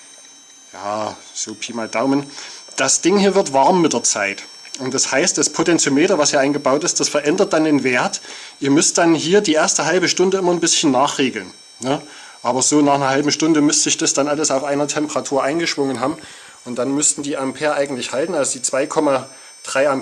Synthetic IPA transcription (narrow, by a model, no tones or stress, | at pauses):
jaː | z̥oːpʰiːmadaʊmənd̥asd̥ɪŋhiːɐvɪɐtvaɐmːɪtd̥eɐt͡saɪtʔʊntd̥ashaɪstd̥aspʰotɛnt͡someːdɐvashiːɐaɪnɡəbaʊtɪst̚d̥asfɛɐʔɛndɐt̚d̥andeːnveːɐt | ʔiːɐmʏst̚d̥anɦiːɐdiːʔeːɐstəɦalbəʃtʊndəɪmɐnbɪsçən̩nːaːχʁ̥eːɡl̩n | nə | ʔaːbɐzoːnaːχnɐhalbm̩ʃtʊndəmʏstz̥ɪçd̥asd̥anʔaləsaʊfʔaɪnɐtʰɛmpəʁatʰuːɐʔaɪnɡəʃv̥ʊŋənɦaːbm̩ | ʔʊnt̚d̥anmʏstn̩diːʔampʰeːɐʔaɪɡŋ̩tlɪçhaltn̩alzod̥iːt͡sv̥aɪkʰɔma | d̥ʁaɪam